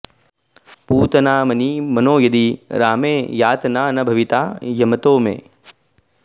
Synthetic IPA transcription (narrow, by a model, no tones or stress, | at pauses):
puːt̪ɐnaːmɐnimɐnoːjɐd̪iɾaːmeːjaːt̪ɐnaːnɐbʱɐʋit̪aːjɐmɐt̪oːmḛː